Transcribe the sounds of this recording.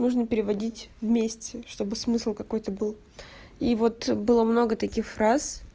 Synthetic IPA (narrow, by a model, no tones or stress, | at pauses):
nuʐnəpʲɪɾʲɪvɐdʲitʲvmʲesʲtʲɪʂt̪o̞bɨsmɨslˠkɐko̞jt̪əbɨlˠ | ivo̞t̪bɨlˠəmno̞ɡət̪ɐkʲixfɾas